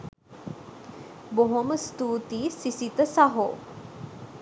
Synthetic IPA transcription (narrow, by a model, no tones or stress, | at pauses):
boɦoməst̪uːt̪iːsisit̪əsaɦo̰ː